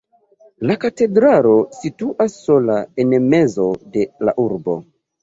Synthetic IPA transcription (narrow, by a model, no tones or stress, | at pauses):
lakate̞dɾaɾo̞situʔasːo̞laenme̞zo̞de̞la̰ʔuɾbo̞̰